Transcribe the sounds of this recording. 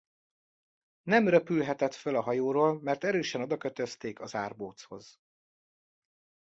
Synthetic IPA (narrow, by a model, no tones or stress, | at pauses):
nɛmrøpylɦɛt̪ɛt̪følɒɦɒjoːɾoːlmɛrt̪ɛɾøːʃɛno̞d̪ɒkøt̪øst̪eːkɒzaːrboːt̪sho̞z̥